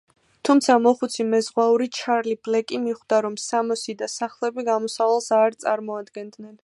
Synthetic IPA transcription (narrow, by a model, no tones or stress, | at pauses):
t̪ʰumt̪sʰamɔχut̪sʰimɛzʁwauɾit͡ʃʰaɾliblɛkʼimiχd̪aɾɔmsamɔsid̪asaχlˠɛbiɡamɔsavalˠsaɾt̪sʼa̰ɾmɔad̪ɡɛnd̪nɛn